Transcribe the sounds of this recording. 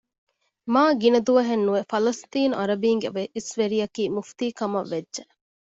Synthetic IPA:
maːɡinɐd̪uʋɐɦenːuefɐlɐst̪iːnuʔɐɾɐbiːŋɡeʋeʔisʋeɾijɐkiːmuft̪iːkɐmɐʋːedʒe

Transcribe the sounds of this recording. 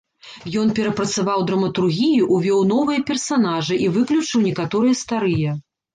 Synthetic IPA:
jɔn̪pʲɛɾɐpɾɐt̪savawd̪ɾɐmɐt̪urɣʲijiʔuvʲɔwn̪ɔvɨjɐpʲɛrsanaʐɨʔivɨklʲut͡ʂɨwnʲɛkat̪ɔɾɨjɐst̪aɾɨjɐ

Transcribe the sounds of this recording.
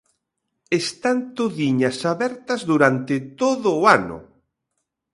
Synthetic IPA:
est̪ant̪oðiɲasaβɛɾt̪ɐzðuɾant̪ɪt̪oðʊːanʊ̰

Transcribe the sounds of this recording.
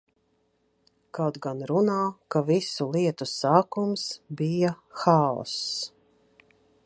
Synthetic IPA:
kawt̪ɡanɾunaːkavisulˠiɛt̪usaːkumsbija | xaɔ̰s

